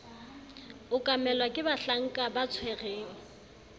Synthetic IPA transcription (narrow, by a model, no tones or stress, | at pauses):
ʊkʼamɛlwakʼɪbaɬaŋ̩kʼabat͡sʰwɛreːŋ̩